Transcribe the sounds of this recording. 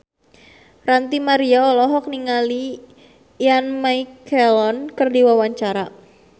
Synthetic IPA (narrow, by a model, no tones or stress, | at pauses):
rant̪imaɾiaɔlɔɦɔk̚niŋali | janmajkʰɛlɔnkərdiwawaɲt͡ʃaɾa